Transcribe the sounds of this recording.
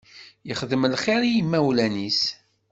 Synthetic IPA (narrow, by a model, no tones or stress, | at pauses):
jəχðəmlχiɾijimːæwlænis